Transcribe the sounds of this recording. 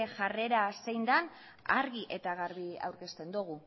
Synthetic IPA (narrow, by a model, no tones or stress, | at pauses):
ʝare̞ɾasejnd̪an | a̰ɾɣiʔe̞t̪aɣaɾβia̰wɾke̞st̪e̞nd̪uɣ̞u